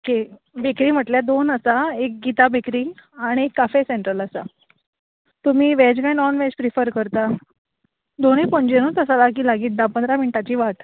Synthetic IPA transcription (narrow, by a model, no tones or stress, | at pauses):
okʰe | bʱekɾiːm̤əʈljad̪onəsaek̚ɡit̪abekɾiːaɽ̃iekːafeseɳʈɾələsa | t̪um̤iːʋɛd͡ʑɡãjnɔnʋɛ̃d͡ʑpɾifəɾkəɾt̪a | d̪onepəɲd͡ʑenuːt̪əsalakiːlaɡiːt̪̚d̪apənd̪ɾaminʈat͡ɕiːʋaʈ